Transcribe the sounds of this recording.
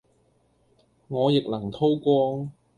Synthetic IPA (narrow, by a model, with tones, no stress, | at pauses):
ŋɔː˨˧jɪ˨k̚lɐ˨˩ŋt̪ʰo˥wkʷɔː˥ŋ